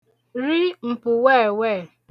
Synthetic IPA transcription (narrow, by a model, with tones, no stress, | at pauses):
ɾi˦m̩˨pʊ˨we˦˨wɛ˦˨